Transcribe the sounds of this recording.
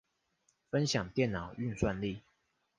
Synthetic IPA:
fə˦nɕjɑ˨˩ŋt̪jɛ˥˨nːɑ˨˩ʊy˥˧nswa˥˧nli˥˨

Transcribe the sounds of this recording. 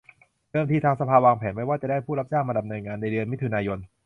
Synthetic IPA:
ɾɯ˥˩əmt̪iː˧t̪ʰaː˧ŋsa˧pʰaː˧waː˧ŋpʰɛː˩˦nma˥˩jwaː˥˩t͡ɕa˨˩daː˥˩jpʰuː˥˩ɾa˦˥p̚t͡ɕaː˥˩ŋɾa˧da˨˩p̚nu˨˩jŋaː˧nːa˧jdɯ˧ənmi˦˥t̪ʰːu˧naː˧jo˧n

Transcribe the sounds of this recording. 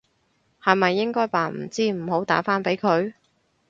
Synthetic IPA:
hɐ˨jmɐ˨jːɪ˥ŋkɔː˥jpaː˨˩m̩˨˩t͡siː˥m̩˨˩ho˨˥wt̪aː˨˥faː˥npe˨˥jkʰɵ˨˧ɥ

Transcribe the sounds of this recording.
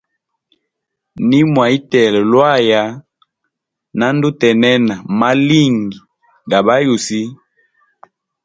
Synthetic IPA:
ni˦mwa˨i˦tɛ˨lɛ˨lwa˦˨ja˦ | na˦ndu˦tɛ˨nɛ˦na˨ma˦li˦˨ŋɡi˨ | ɡa˨ba˦ju˨si˦

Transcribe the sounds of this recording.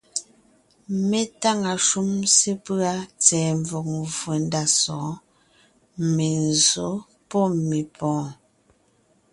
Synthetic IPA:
me˦ta˦ŋa˨ʃu˦mse˦pɰa˦t͡sɛː˨ɱvɔ˨k̚və˨n˦da˨sɔ̃ː˨˦ | me˨ŋzo˨˦ | pɔ˦˨mi˨pɔ̃ː˨˦

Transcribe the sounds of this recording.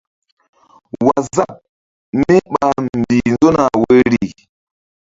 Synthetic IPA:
wa˨za˦p̚ | mi˦ɓa˨m˨bi˨nzo˦na˨we˦ɾi˨

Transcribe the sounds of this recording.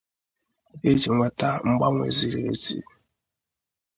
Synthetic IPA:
e˦d͡ʒi˨ŋʷa˦ta˦ŋ͡m̩˦ɡ͡ba˦ŋʷḛ˨zi˨ɾe˨ḛ˨zḭ˨˦

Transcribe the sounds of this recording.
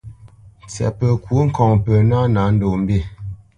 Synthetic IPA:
t͡sɛ̰˨pə˨kwu˨˦ŋ̩˦kɔ˨ŋpə˨na˦na˨˦n̩˦do˨m˦be˦˨

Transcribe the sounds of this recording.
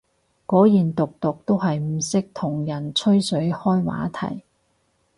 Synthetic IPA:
kɔː˨˥jiː˨˩nt̪ʊ˨k̚t̪ʊ˨k̚t̪o˥wɦɐ˨jm̩˨˩sɪ˥k̚t̪ʰʊ˨˩ŋjɐ˨˩nt͡sʰɵ˥ɥsɵ˨˥ɥhɔː˥jwa̰ː˨˥t̪ʰɐ̰˨˩j

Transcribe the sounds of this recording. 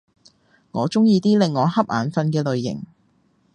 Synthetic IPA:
ŋɔː˨˧t͡sʊ˥ŋjiː˧t̪iː˥lɪ˨ŋːɔː˨˧hɐ˥p̚ʔa̰ː˨nfɐ˧nkɛː˧lɵ˨ɥːɪ̰˨˩ŋ

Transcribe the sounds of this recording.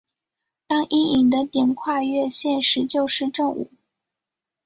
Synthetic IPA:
t̪ɑ˥˧ŋʔi˥i˨˩ŋd̪ə˦t̪jɛ˨˩nkʰwa˥˧ɥɛ˥˧ɕjɛ˥˩nʂɻ̩˧˥t͡ɕjo˥˧ʊʂɻ̩˥˧ʈ͡ʂɤ˥˧ŋṵ˨˩˦

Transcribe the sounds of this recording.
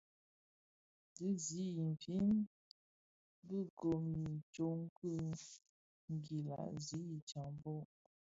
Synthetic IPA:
də˦zi˨˦ji˨m˨fi˦n | bɨ˦˨ɡo˨mji˨t͡ʃo˨˦ŋ˦kɨ˦˨ | ŋ˦ɡi˨la̰˨ʔzi˨˦i˨t͡ʃa˨m˦bɔ˦

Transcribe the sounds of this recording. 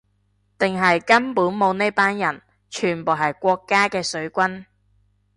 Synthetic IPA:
t̪ɪ˨ŋɦɐ˨jkɐ˥mpuː˨˥nmo˨˧wne˥jpaː˥njɐ˨˩n | t͡ʃʰyː˨˩npoː˨˩wɦɐ˨jkʷɔː˧kːaː˥kɛː˧sɵ˨˥ɥkʷɐ˥n

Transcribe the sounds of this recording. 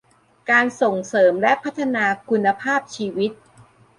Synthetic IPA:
kaː˧nso˨˩ŋsɤː˩˦mlɛ˦˥ʔpʰa˦˥t̪ʰːa˧naː˧kʰu˧nːa˧pʰaː˥˩p̚t͡ɕʰiː˧wi˦˥t̪̚

